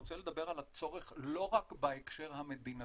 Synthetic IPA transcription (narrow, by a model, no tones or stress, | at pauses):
ot͡sele̞d̪abe̞ʁalat͡so̞ʁeχlo̞ʁakbaekʃe̞ʁɦame̞d̪ina